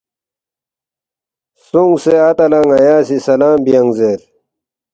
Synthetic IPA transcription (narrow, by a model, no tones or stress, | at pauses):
suŋseɐt̪ɐlɐŋɐjaːsisɐlaːmbijɐŋɡzeːɾ